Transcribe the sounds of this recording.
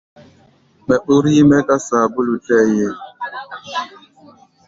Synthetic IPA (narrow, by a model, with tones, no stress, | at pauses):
mɛ˨ɓu˦ɾi˦mɛ˦ka˦saː˨bu˦lu˨tɛ˦je˨